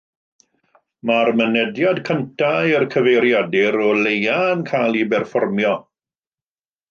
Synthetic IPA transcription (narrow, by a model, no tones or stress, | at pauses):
marmənɛdjadkʰəntʰaɪrkʰəvejɾjadɪɾɔlejaənkʰajlˠibɛrfɔrmjɔ